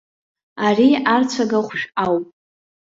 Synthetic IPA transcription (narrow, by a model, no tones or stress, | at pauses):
ariart͡sʷʰaɡaχʷʃᶣawpʼ